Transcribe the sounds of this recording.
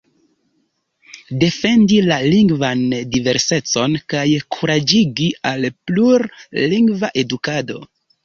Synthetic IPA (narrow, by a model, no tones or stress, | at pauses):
de̞fe̞ndilaliŋɡvandive̞ɾse̞t͡so̞nkajkʰuɾad͡ʒiɡialpluɾːiŋɡvaʔe̞dukado̞̰